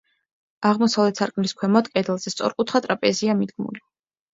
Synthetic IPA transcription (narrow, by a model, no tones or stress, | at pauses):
aʁmɔsavlɛt̪ʰsaɾkʼmnliskʰwɛmɔd̪kʼɛd̪ɛlˠzɛst̪sʼɔ̰ɾkʼut̪ʰχat̪ʼɾapʼɛziamid̪ɡmṵli